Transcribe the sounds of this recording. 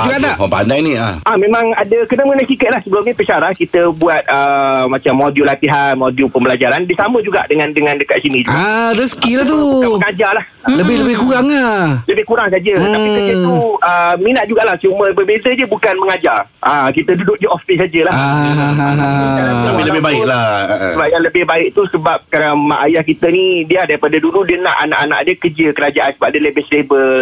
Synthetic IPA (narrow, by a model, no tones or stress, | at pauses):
d͡ʒuɡaʔnaʔɔpa̰ndajnĩa̰amẽmãŋadəkənəməŋənasikət̪̚lahsəbəlumɲəpət͡ʃaɾahkit̪əbuat̪̚əmat͡ʃamːodiulat̪iɦanmodiupəmbəlad͡ʒaɾandisamə̃d͡ʒuɡa̰ʔdəŋãndəŋãndəkat̪ʔ̪̚sinid͡ʒuɡadosə̥kilat̪uməŋad͡ʒarlah | ləbɪhləbɪhɡuɣaŋaləbɪhkuɾaŋs̬ad͡ʒəət̪apiəd͡ʒət̪uəminat̪̚d͡ʒuɡaʔlaht͡ʃuməbəbezədəbukanməŋad͡ʒarakit̪ədudʊʔ̚dəʔɔfisad͡ʒəlaɦɦaabiləbɪɦbaɪklaəbap̚jaŋləbɪhbaɪʔ̚t̪usəbap̚kaɾaŋmaʔajahkit̪ənidiadaɾipadaduludiənãʔana̰ʔanã̰ʔdəkəd͡ʒəkəɾad͡ʒaʔansəbap̚dələbɪslebəl